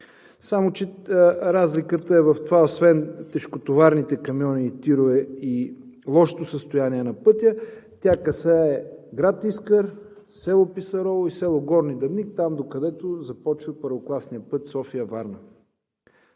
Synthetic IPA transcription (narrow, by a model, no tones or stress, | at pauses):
samot͡ʃɛɾazlikət̪əɛvɐft̪ovaosvɛnt̪ɛʃkot̪ovaɾnit̪ɛkɐmjɔniːt̪iɾoɛilˠɔʃt̪osəst̪ojaniɛnɐpɤt̪ʲjət̪ʲakɐsaɛɡɾat̪iskəɾ | sɛlˠopisɐɾɔvˠoisɛlˠoɡɔɾnid̪ɐvnik̚t̪amd̪okɐd̪ɛt̪ozɐpɔt͡ʃilˠpəɾvoklˠasnijəpɤt̪sɔfijəvaɾnə